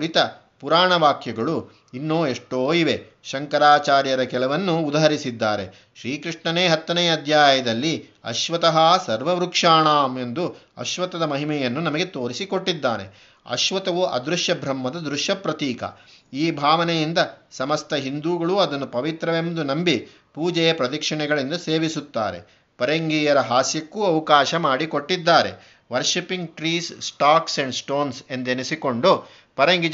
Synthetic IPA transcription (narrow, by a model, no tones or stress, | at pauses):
ɽit̪ɐ | puɾaːɳɐʋaːkjɐɡɐɭu | inːoːeʂʈoːiʋe̞ | ʃɐŋkɐɾaːt͡ʃaːɾjɐɾɐkɛlɐʋɐnːuːd̪ɐɦɐɾisid̪ːaːɾe̞̰ | ʃɾiːkɾiʂɳɐneːɦɐt̪ːɐnɛjɐɐd̪ʱjaːjɐd̪ɐlːi | ɐ̰ʃʋɐt̪ɐɦɐsɐɾʋɐʋɾukʂaːɳaːme̞nd̪uɐ̰ʃʋɐt̪ɐd̪ɐmɐɦimɛjɐnːunɐmɐɡe̞t̪oːɾisiko̞ʈːid̪ːaːnḛ | ɐ̰ʃʋɐt̪ɐʋuʔɐ̰d̪ɾuʃjɐbʱɾɐmːɐd̪ɐd̪ɾuʃjɐpɾɐt̪iːkɐ̰iːbʱaːʋɐnɛjind̪ɐsɐmɐst̪ʰɐɦind̪uːɡɐɭuɐd̪ɐnːupɐʋit̪ɾɐʋemd̪unɐmbi | puːd͡ʒɛjɐpɾɐd̪ɐkʂɐɳɛɡɐɭind̪ɐse̞ːʋisut̪ːa̰ːɾe̞̰ | pɐɾeŋɡiːjɐɾɐɦaːsjɐkːuːɐʋɐkaːʃɐmaːɽikoʈːid̪ːaːɾe̞̰ | ʋɐɾʃipiŋɡʈɾiːsːʈaːksɐɳɖsʈo̞ːnse̞nd̪enisiko̞ɳɖu | pɐɾeŋɡi